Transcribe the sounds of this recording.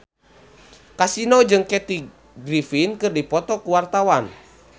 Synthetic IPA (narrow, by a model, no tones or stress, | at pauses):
kasinod͡ʒɨŋkɛt̪i | ɡɾifinkɨrdipɔt̪ɔkuwart̪awan